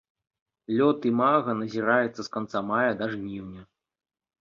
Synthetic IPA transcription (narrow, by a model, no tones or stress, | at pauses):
lʲɔt̪imaɣɐnɐzʲiɾajut̪sːɐskant̪samajɐd̪aʐnʲiwnʲɐ